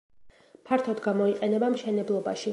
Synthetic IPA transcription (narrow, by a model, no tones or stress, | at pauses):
pʰaɾt̪ʰɔd̪ɡamɔiqʼɛnɛbamʃɛnɛblˠɔba̰ʃi